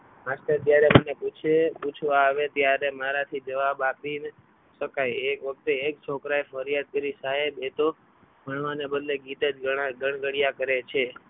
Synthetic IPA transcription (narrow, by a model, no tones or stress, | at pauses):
masʈ̪əɾt̪jaɾeməneput͡ʃʰeput͡ʃʰʋaːʋet̪jaɾemaɾat̪ʰid͡ʒəʋabapin | ʃəkajekʋək̚t̪eek̚t͡ʃʰokɾajfəɾjad̪̚kəɾisaɦebet̪o | bʱəɳʋanebəd̪leɡit̪ed͡ʒəɡəɳ̃ɡəɽijakəɾet͡ʃʰe